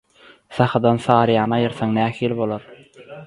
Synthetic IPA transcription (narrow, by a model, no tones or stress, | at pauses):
θɑχɑd̪ɑnsɑːɾjɑːnɑːjɯɾθɑŋnæːhiːlibo̞lˠoɾ